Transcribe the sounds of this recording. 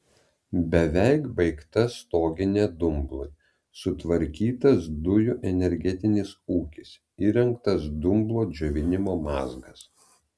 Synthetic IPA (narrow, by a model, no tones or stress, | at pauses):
bʲɛʋʲɛɪkbɐɪkt̪ɐst̪oːɡʲɪnʲeːd̪ʊmblˠoɪ | sʊt̪ʋɐɾʲkʲiːt̪ɐsd̪ʊjʊʔɛnʲɛɾʲɡʲɛt̪ʲɪnʲɪsuːkʲɪs | iːɾʲɛŋkt̪ɐsd̪ʊmblˠoːd͡ʒʲɛʋʲɪnʲɪmoːmɑːzɡɐs